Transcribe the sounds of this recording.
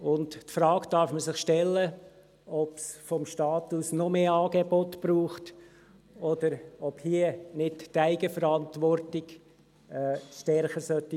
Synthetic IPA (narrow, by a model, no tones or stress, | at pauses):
ʊnttfɾɑːkdɑɾfməsɪχʃtɛlːə | ɔpsfɔmʃtɑːtusnɔmeːɑːɡebɔtb̥ɾuːχt | ɔd̥əɾɔb̥hiənɪttæɪɡəfəɾɑntʋɔrtɪɡ | ɛːsʃtɛɾχəsœtːi